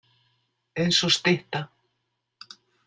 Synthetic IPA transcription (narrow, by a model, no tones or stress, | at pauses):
ejnsɔst̪ɪht̪a